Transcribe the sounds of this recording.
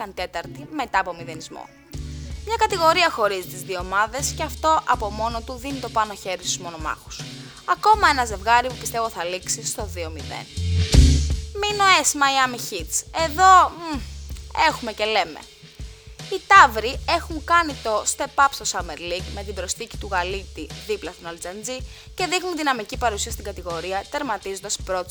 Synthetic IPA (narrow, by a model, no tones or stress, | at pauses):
ɐnt̪e̞t̪ɐɾt̪ime̞t̪ɐːpo̞miðe̞nizmo̰ | mɲɐkɐt̪iɣo̞ɾiɐxo̞ɾizit̪izðioomɐðe̞sceɐft̪o̞ʔɐpo̞mo̞no̞t̪uðinit̪o̞pɐno̞çe̞ɾist̪uzmo̞no̞mɐ̰xu̥s | ɐko̞mɐe̞nɐze̞vɣɐɾipupist̪e̞voθɐliksist̪o̞ðio̞miðḛn | minoesmɐiɐmiçit̪t͡se̞ðo̞ | e̞xume̞ce̞le̞mḛ | it̪ɐvɾie̞xuŋkɐnit̪o̞st̪e̞pɐpst̪osɐmeɾlikme̞t̪ibɾo̞sθici̥t̪uɣɐlit̪iðiplɐst̪onɐld͡zɐnd͡zi | ce̞ðixnunðinɐmicipɐɾusiɐst̪iɡɐt̪iɣo̞ɾiɐt̪e̞ɾmɐt̪izond̪ɐspɾo̞t̪